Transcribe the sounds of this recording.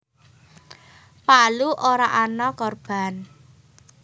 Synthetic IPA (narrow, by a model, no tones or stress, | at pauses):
paluʔoɾaʔanɔkɔrb̥a̤n